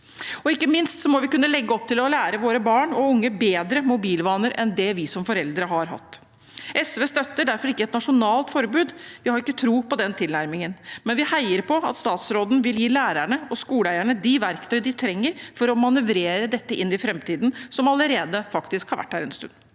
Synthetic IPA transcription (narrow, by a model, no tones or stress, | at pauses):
ɔɪkːəmɪnst̪sɔmɔʋɪkʉnːəlɛɡːəɔp̚t̪ʰɪlɔlæːɾəʋoːɾəbɑːɳɔʊŋːəbeːd̪ɾəmʊbiːlʋɑːnəɾʔɛ̰nd̪ɛʋɪsɔmfɔɾɛld̪ɾəɦɑɾɦɑ̰t̪ː | ʔɛsʋeːst̪œt̪ːəɖæɾfɔɾɪkːəɛt̪nɑʂʊnɑːlt̪fɔɾbʉːd̪ʋɪhɑɾɪkːət̪ʰɾuːpɔd̪ɛnt̪ʰɪlnæɾmɪŋənmɛnʋɪhæɪəɾpʰɔɑ̰t̪st̪ɑːt̪sɾoːd̪n̩ʋɪljiːlæːɾæɳəɔskuːləæɪæɳəd̪ɪʋæɾkt̪ʰœʏd̪ɪt̪ʰɾɛŋːəɾfɔɾɔmɑnʉʋɾeːɾəd̪ɛt̪ːəʔɪnːɪfɾɛmt̪ʰiːd̪n̩sɔmɑləɾeːd̪əfɑkt̪ɪskhɑɾʋæ̰ʈːhæːɾɛnst̪ʉ̰nː